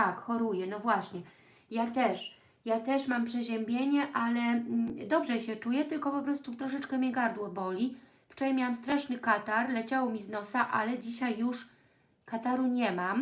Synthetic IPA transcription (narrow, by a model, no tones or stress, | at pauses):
akxɔɾujɛnɔvwaɕɲɛ | jat̪ɛʂ | jat̪ɛʂmampʂɛʑɛmbʲjeɲɛʔalɛd̪ɔbʐɛɕɛt͡ʂujɛt̪ɘlkɔpɔpɾɔst̪ut̪ɾɔʂ̬ɛt͡ʂkɛmʲjɛɡaɾd̪wɔbɔlʲi | ft͡ʂɔɾajmʲjawamst̪ɾaʂnɘkat̪aɾlɛt͡ɕawɔmʲiznɔsaʔalɛd͡ʑiɕajːuʂ | kat̪aɾuɲɛmam